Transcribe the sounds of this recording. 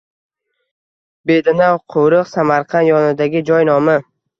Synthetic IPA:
bed̪anawqʰowɾɨqsamaɾqʰɑnjɒnɪd̪aɡʲɪd͡ʒɒjnɒma

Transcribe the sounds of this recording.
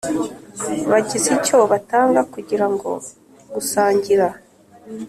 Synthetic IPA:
βaɟizico̞βataːŋɡakuɟiɾaŋɡo̞̰ | ɡusaːɲɟiɾa

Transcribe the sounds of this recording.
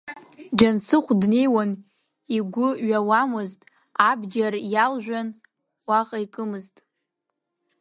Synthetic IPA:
d͡ʒansɨχʷdne̞jwan | iɡʷʊɥawamɨztʼ | abd͡ʒarjalʒʷᶣan | waχʼaikʼɨmɨztʼ

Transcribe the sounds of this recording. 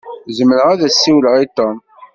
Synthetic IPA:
zəmːəɾəʁæðæsːiwləʁit̪ːɑn

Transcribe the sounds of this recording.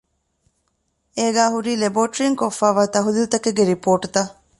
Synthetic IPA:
eːɡæːɦuɾiːleboːʈɾiŋkofːaːʋaːt̪ɐɦulilut̪ɐkeɡeɾipoːʈut̪ɐ

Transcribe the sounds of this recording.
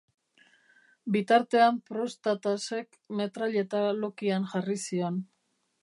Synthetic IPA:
bit̪aɾt̪e̞ampɾo̞st̪at̪ase̞k | me̞t̪ɾaʎe̞t̪alo̞kianʝarisio̞n

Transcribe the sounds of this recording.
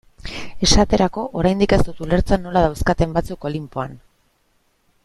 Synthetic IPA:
e̞ʃat̪e̞ɾako̞ʔoɾajnd̪ike̞st̪ut̪ule̞ɾt͡sanːo̞laðawskat̪e̞mbat͡suko̞limpo̞an

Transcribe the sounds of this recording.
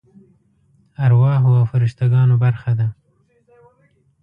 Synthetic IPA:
aɾwɑːɦoawfɪɾɪʃt̪aɡɑːnobaɾxad̪a

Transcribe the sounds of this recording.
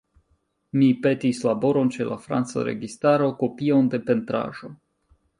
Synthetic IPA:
mipe̞tislabo̞ɾo̞nt͡ʃe̞la̰fɾa̰nt͡sa̰ɾḛɡistaɾo̞ko̞pio̞nde̞pe̞ntɾa̰ʒo̞

